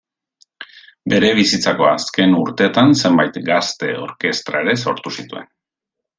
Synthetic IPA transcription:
be̞ɾe̞β̞isit͡sako̞aske̞nuɾt̪eːt̪anse̞mbajt̪ɡast̪e̞o̞̰ɾke̞st̪ɾa̰e̞ɾe̞so̞ɾt̪usit̪ue̞n

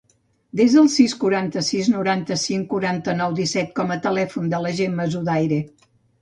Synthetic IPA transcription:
d̪ezðəlˠsiskuɾant̪əsiznuɾant̪əsiŋkuɾant̪ənɔwd̪isɛt̪̚kɔmət̪əlɛfund̪ələʒemːəzuðajɾe

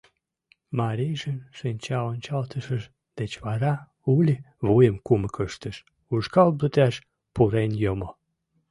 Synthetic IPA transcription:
mɑɾijʒənʃənʲt͡ɕɑonʲt͡ɕɑlt̪əʃəʃ | d̪̥et͡ɕβɑɾɑ | ulʲi | βujəmkuməkəʃt̪əʃ | uʃkɑlblət̪æʃ | puɾenjomo

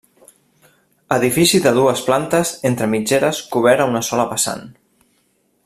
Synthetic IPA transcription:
əðifisiðəð̞uəsplant̪əzent̪ɾəmid͡ʒeɾəskuβ̞ɛɾəunəsɔləβəsa̰n

